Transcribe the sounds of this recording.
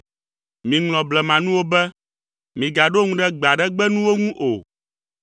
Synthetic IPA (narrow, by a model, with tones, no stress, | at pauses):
mĩ˨ŋlɔ̃˨blɛ˨mã˨nũ˦wo˦bɛ˦ | mĩ˨ɡa˨ɖo˦ŋũ˦ɖɛ˦ɡ͡ba˨ɖɛ˦ɡ͡bɛ˦nũ˦wo˦ŋũ˦ʔo˨